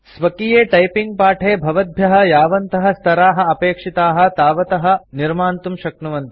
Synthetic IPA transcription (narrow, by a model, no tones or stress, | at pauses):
sʋɐkijeːʈɐjpiŋɡ̚paːʈʰeːbʱɐʋɐd̪̚bʱjɐɦɐ̆jaːʋɐnt̪ɐɦɐ̆st̪ʰɐɾaːɦɐ̆ɐpeːkʂit̪aːɦɐ̆t̪aːʋɐt̪ɐɦɐ̆niɾmaːnt̪umʃɐknuʋɐnt̪i̥